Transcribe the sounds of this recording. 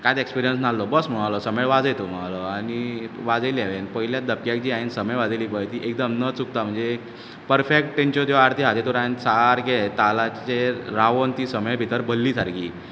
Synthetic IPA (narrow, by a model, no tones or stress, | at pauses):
kãjt̪ekspiɾijəns̬nallɔbəsm̤əmalɔsəmeɭʋad͡zəjt̪ʰum̤alɔañiʋad͡zəlaʋenpəɦiljad̪əpjakd͡ʑiːainsəməjʋad͡zeliːpəjt̪iʔek̚d̪əmnət͡suk̚t̪am̤əɳd͡ze | pəɾfek̚ʈʈent͡ɕot̪ɔaɾt̪iɦat̪et̪oɾainsaɾɡet̪alat͡ɕeɾaʋont̪iːsəməjbʱit̪əɾbəlːiːsaɾɡiː